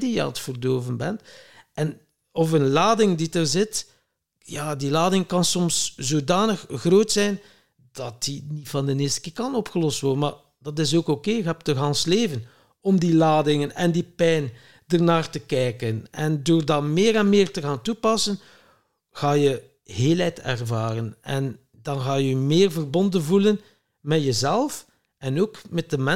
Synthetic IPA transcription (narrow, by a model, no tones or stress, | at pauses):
dijəɑ̰ntfərdoːvənbɛ̰ntʔɛn | ɔfənlaːdɪŋditərzɪt | jaːdilaːdɪŋkɑnsɔmszoːdaːnəxɣroːtsɛjn | d̥ɑtinifɑndənɪːstə̥kɪːrkɑnɔpxəlɔstʋɔrdənma̰ː | d̥ɑt̬ɪs̬oːkokeːəkɦɛp̚təɣaːnsleːvən | ɔmdilaːdɪŋənɛndipɛjn | dərnaːrtəkɛjkənɛndoːrdɑmɪːɾɛnmeːrtəɣaːntupɑsən | ɣaːjə | heːlɛjtɛ̰rvaːrənɛn | dɑnɣaːjəymɪːrvərbɔndənvulən | mɛtjəzɛlˠf | ɛnoːkmɛt̚dəmɛ